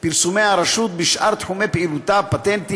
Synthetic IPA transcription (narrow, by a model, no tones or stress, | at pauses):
biɾsumeʕaɾˤɑʃuːt̪̚biʃʔɑɾˤt̪ħumepʔilut̪apːat̪ent̪i